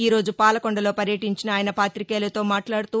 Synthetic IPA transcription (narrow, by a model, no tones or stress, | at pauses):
iːɾoːd͡ʒupaːlɐkɔɳɖɐlo̞ːpɐɾjɐʈiɲt͡ʃinɐaːjɐnɐpaːt̪ɾikeːlɐt̪o̞ːmaːʈlaːɽutt̪uː